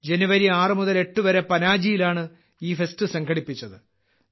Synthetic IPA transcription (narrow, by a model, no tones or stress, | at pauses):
d͡ʑe̞nuʋɐɾiaːrɨmuðɐle̞ʈːuʋɐɾe̞pɐnaːd͡ʑijilaːɳɨ | iːfe̞stɨsɐŋɡʱɐɽipːit͡ɕːɐðɨ